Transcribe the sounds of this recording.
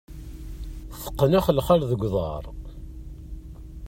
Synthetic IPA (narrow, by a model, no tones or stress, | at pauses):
θə̥qːənæχəlχalðəɡʷðˤɑ̰ɾˤ